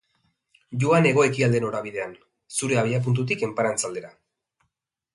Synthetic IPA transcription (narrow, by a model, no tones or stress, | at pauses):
ʝuane̞ɣ̞o̞e̞kiald̪e̞no̞ɾaβiðe̞an | suɾe̞aβ̞iap̬unt̪̬ut̪̬ike̞mpaɾant͡sald̪e̞ɾa